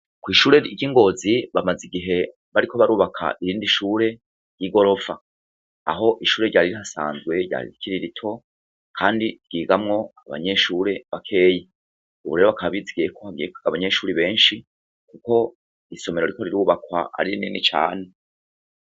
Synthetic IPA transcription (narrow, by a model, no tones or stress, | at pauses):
kwiːʃuːɾeiɟiŋɡo̞ːziβamaziɡiɦe̞ | βaɾiko̞βaɾuːβakʰa̰ʔiɾiːndiʃuːɾe̞ | ɾj̥iɡo̞ɾo̞fa̰ | aɦo̞ʔiʃuːɾe̞ɾɟaːɾiɾihasa̰ːnzɡwe̞ɾɟa̰ːɾḭɾikʰiɾiɾitʰo̞ | kʰaːndiɡ̥iːɡamŋo̞aβa̰ɲe̞ʃuːɾe̞βakʰe̞ːje | uβuɾe̞ɾoakaβaβiziɡijekʰohaɡijekaβaɲe̞ʃuːɾiβe̞ːnʃi | kuko̞ | iso̞me̞ɾo̞ɾiko̞ɾiɾuːβakwa̰ʔa̰ɾiininit͡ʃa̰ːne